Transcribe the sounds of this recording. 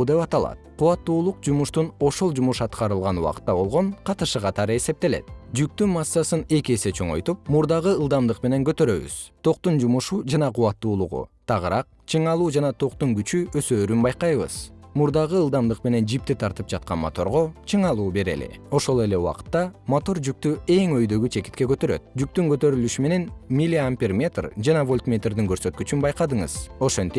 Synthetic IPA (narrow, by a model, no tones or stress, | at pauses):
d̪e̞pɑt̪ɑlˠɑ̰t̪̚qʰuwɑt̪ːuːlˠuqd͡ʒumuʃt̪uno̞ʃo̞lˠd͡ʒumuʃɑt̪qɑɾɯlˠʁɑnuɑ̰qɯ̥t̪ːɑbo̞lˠʁo̞ɴqʰɑt̪ɯʃɯqɑt̪ɑɾɯe̞se̞p̚t̪e̞le̞̰t̪d͡ʒyk̚t̪ynmɑsːɑsɯne̞kʲie̞se̞t͡ʃʰo̞ɴo̞̰jt̪up̚muɾd̪ɑʁɯɯlˠd̪ɑmd̪ɯqme̞ne̞ŋkøt̪ø̞ɾø̞̰βy̰z̥t̪ʰo̞qt̪und͡ʒumuʃud͡ʒɑnɑqʰuwɑt̪ːuːlˠuʁṵt̪ʰɑʁɯɾɑq̚ | t͡ʃʰɯɴɑlˠuːd͡ʒɑnɑt̪ʰo̞qt̪uŋɡyt͡ʃyøsø̞ːɾynbɑjqɑjβɯ̰z̥muɾd̪ɑʁɯːlˠd̪ɑmd̪ɯqme̞ne̞nd͡ʒip̚t̪it̪ʰɑɾt̪ɯp̚d͡ʒɑt̪̚qɑ̰nmo̰t̪o̞̰ɾʁo̞t͡ʃʰɯɴɑlˠuːbe̞ɾe̞̰lḛo̞ʃo̞lˠe̞le̞ṵwɑ̰qɯ̥t̪ːɑmot̪o̞ɾd͡ʒyk̚t̪ye̞ŋøjd̪ø̞ɡyt͡ʃʰe̞ki̥t̪ke̞kø̞t̪ø̞ɾø̰t̪̚d͡ʒyk̚t̪yŋkøt̪ø̞ɾylyʃyme̞ne̞nmʲilʲiampʲirmʲe̞t̪rd͡ʒɑnɑvo̞lʲt̪mʲet̪rd̪iŋkø̞ɾsø̞t̪kyt͡ʃynbɑjqɑd̪ɯɴɯ̰zo̞ʃe̞nt̪ip